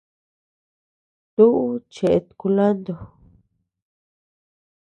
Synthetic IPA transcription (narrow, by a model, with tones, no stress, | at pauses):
t̪u˦ʔu˦t͡ʃe˨ʔe˧t̪u̥˧ku˧la˦nd̪o˧˨